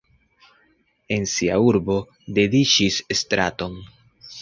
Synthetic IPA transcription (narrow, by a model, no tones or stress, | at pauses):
e̞nsia̰uɾbo̞ | de̞dit͡ʃisestɾa̰to̞n